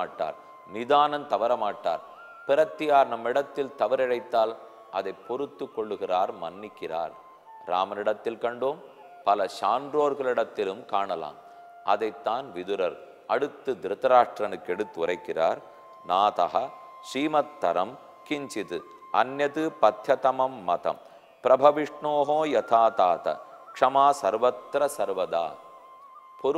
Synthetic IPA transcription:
ʈːa̰ːɾ | nɪðaːnɐnt̪ɐʋɐɾɐmaːʈːa̰ːɾ | pɪɾɐt̪ːɪjaːɾnɐmːɪɽɐt̪ːɪlt̪ɐʋɐɾɪɻɐɪt̪ːaːl | ʔɐðɐɪpːɔɾɯt̪ːɯkːɔɭːɯɣɪraːɾmɐnːɪkːɪra̰ːɾ | ɾa̰ːmɐnɪɽɐt̪ːɪlkɐɳɖoːm | pɐlɐʂaːndɾoːɾɣɐɭɪɽɐt̪ːɪlɯmkaːɳɐla̰ːm | ʔɐðɐɪt̪ːaːnʋɪðɯɾɐɾ | ɐɽɯt̪ːɯd̪ɾɯt̪ːɐɾaːʂʈɾɐnɯkːɛɽɯt̪ːɯʊɾɐɪkːɪra̰ːɾ | naːt̪ɐ̰ɦɐ | ʂiːmɐt̪ːɐɾɐm | kɪɲt͡ʃɪt̪ɯ | ɐ̰njɐt̪ɯpɐt̪jɐt̪ɐmɐmːɐt̪ɐ̰m | pɾɐbʱɐʋɪʂɳoːɦõːjɐt̪ʰaːt̪aːt̪ɐ̰kʂɐmaːsɐɾʋɐt̪ɾɐsɐɾʋɐða̰ː | pɔɾ

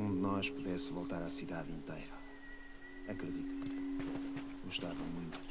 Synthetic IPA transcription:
ũd̪ɨnɔʃpuðɛsvolˠt̪aɾasiðaðĩnt̪ejɾɐ | ɐkɾɨðit̪u | ɡuʃt̪avɐmũj̃t̪u̥

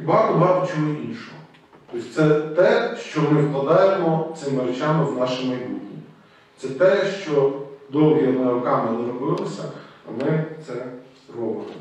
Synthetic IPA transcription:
bɑkʊbɑbʊt͡ʃɔɦɔʔinʃɔɦɔ | t̪ɔsʲt̪sɛt̪ɛʃt͡ʃɔmɪwklˠɐd̪ɑjemɔt̪sɪmɪɾet͡ʃamɪznɑʃɪmɐjbutʲi | t̪sɛt̪ɛʃt͡ʃɔd̪ɔwɦʲiɔnɪɾɔkɑmɪnɾɔbɪlˠɪsʲɐːmɪt̪sɛ | rɔbɪmɪ

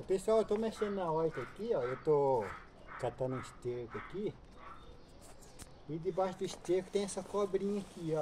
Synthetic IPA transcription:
ʊpesuawet̪omeʃẽnãɔjk̪ɐkiɔewt̪o | kat̪ãnũist̪ekʊɐki | id̪ɪbaʃʊd̪ʊist̪ekʊ̥t̪ẽj̃ɛsɐkɔbɾĩɲakiɔ

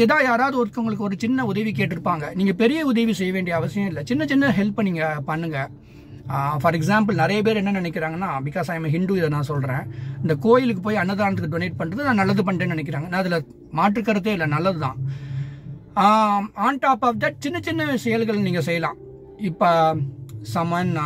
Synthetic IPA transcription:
ɪðãːjaːɾaːʋðɯɔɾkːɐʊŋɡɐɭɯkːɯɔɾɯt͡ʃɪnːɐʊðɐʋikeːʈːɯɾɯpːaːŋɡɐniːŋɡɐpɛɾɪjɐʊðɐʋisɛjːɐʋeːɳɖɪjɐɐʋɐsɪjɐ̃ɪlːɐt͡ʃɪnːɐt͡ʃɪnːɐɦɛlpːniːŋɡɐpɐɳːɯŋɡɐ | fɐɾɛksaːmp̬ɯlnɪɾɐjɐp̬eːɾɛnːɐnɪnɛk̬ːɪɾaːŋɡɐnːaːmɪkːaːsaːjɐmɐɦɪɳɖuːɪðɐnãːsɔlɾẽːɪnd̪ɐkoːjɪlɯk̬ːɯp̬oːjiɐnːɐðɯaːnɐt̪ɯkːɯɖɔneːʈ̚pɐɳːrɐðɯnãːnɐlːɐðɯpɐɳɖeːnɪnɛkːɪɾaːŋɡɐnãːɐðɪlɐ | maːʈ̬ɾɯkːɐɾɐt̪ːeːɪlːɐnɐlːɐðɯt̪ãː | aːnʈaːpaːfd̪ɐʈ̚t͡ʃɪnːɐt͡ʃɪnːɐsɛjɐlɣɐɭniːŋɡɐs̬ɛjɐlãː | ɪpːo | sɐmana

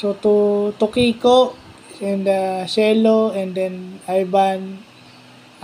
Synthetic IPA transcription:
sot̪ut̪ʊkikoʔ | ɛnd̪asɛːloɛ̃nd̪ɛnʔajban

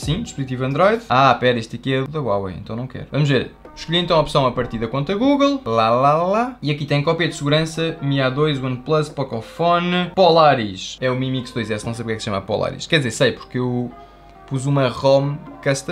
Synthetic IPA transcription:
sĩd̪iʃpuzit̪ivɐ̃nd̪ɾɔjðapɛɾɐeʃt̪ikɛðuðɐwawḛjḛ̃nt̪ɐ̃w̃nɐ̃w̃kɛ̰ɾuvɐmuʒveɾ | ʃkuʎiẽnt̪ɐ̃w̃ɔpsɐ̃w̃ɐpɐɾt̪iðɐkwõnt̪ɾɐɣuɣlˠlˠalalaiɐkit̪ɐ̃j̃kɔpiɐd̪sɨɣuɾɐ̃sɐmiaðojʃwɐ̃nd̪plˠɐspɔkɔfɔnpɔlˠaɾiʃɛumimiksd̪ojzɛsnɐ̃w̃sejpɾkɛksʃɐmɐpɔ̰lˠa̰ɾḭʃkɛɾðizeɾsɐjpu̥ɾkew | puzumɐʁomkɐʃt̪ɐ

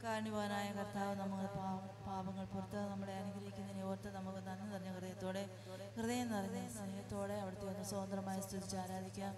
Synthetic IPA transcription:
kaːɾɐɳubʱɐʋɐnaːjɐkɐrt̪aːʋɐnɐmːukːɨpaːɐ | paːbɐŋːɐɭpurɐt̪ːɐɐnɐmːɐɭe̞ɐnuɡɐɾɐɦikʲːunɐðineo̞ːrɐt̪ːenɐmːukːɨnɐnːɨnɐrɐɲːɐkrɨðɐjɐt̪ːo̞ːɽe̞ | krɨðɐjɐnːɐrɐɲːɐsɐnɐjɐt̪ːo̞ːɽe̞ɐʋiɽɐt̪ːeonːɨsoːɐnd̪rɐmaːjɐst̪id̪it͡ɕːaːɾaːd̪ʱikʲːuɐm

